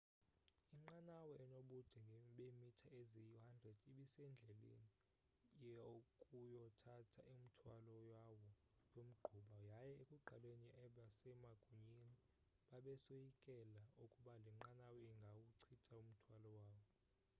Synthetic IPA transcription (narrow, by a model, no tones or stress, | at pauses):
iŋ͡ǃanawɔɛnoɓud̥ʱɛŋɡʱɓemitʰaʔezijuhandrɛd̥iɓisɛnd͡ɮʱɛlḛni | jɛokʼujɔtʰatʰa̰ʔim̩tʰwalɔjawɔ | jʼom̩ɡ͡ǃʱuɓajajɛekʼuɡ͡ǃʱalweniʔɛɓasɛmaɡ̥ʱuɲini | ɓaɓɛsojikʼɛlaukʼuɓalɛŋ͡ǃanawɔiŋɡʱawuǀʰitʰʼaum̩tʰwalɔwaːwɔ